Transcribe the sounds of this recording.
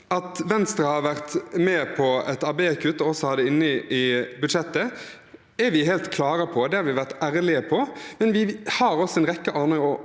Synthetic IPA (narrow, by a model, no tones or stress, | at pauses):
ɑt̪ʋɛnst̪ɾɑhɑɾʋæɾt̪mɛːpʰɔɛt̪ɑbeːkʰʉt̪ːɔɔsɔhɑd̪ːəɪnːəʔɪbʉd̪ʃɛt̪ːə | ɛɾʋɪɦɛːlt̪kʰlɑːɾɑpʰɔd̪ɛhɑɾʋɪʋæʁt̪æːɾlɪəpʰɔmɛnʋɪhɑɾɔsɔɛnʁɛkːəʔɑɾnəɔ